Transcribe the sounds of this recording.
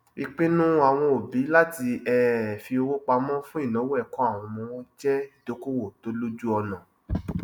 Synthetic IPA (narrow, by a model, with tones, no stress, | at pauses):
i˧k͡pe˦nũ˦a˨w̃ɔ̃˧o˨bi˨˦la˦ti˧ɛ˦˨fi˧o˧wo˦k͡pa˧mɔ̃˦fũ˦i˦˨nã˨˦wo˦ɛ˦˨kɔ̃˦a˦˨w̃ɔ̃˧mɔ̃˧w̃ɔ̃˦d͡ʒɛ˦i˦˨do˨˦ko˦wo˨to˨˦lo˦d͡ʒu˦ɔ˧nã˨